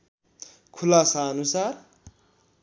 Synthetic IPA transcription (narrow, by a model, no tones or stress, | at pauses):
kʰʊlasaːnusaɾ